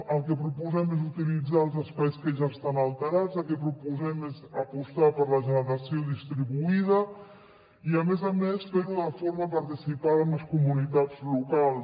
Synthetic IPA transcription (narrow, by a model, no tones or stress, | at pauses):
əlˠkəpɾupuzɛmezut̪ilid͡zaəlˠzəspajskəʒaəst̪analˠt̪əɾad͡zəlˠkəpɾupuzɛmezəpust̪apəɾləʒənəɾasioðist̪ɾiβuið̞ə | iəmezamesfeɾuðəfoɾməpəɾt̪isipaðəməskumunit̪ad͡zlukalˠ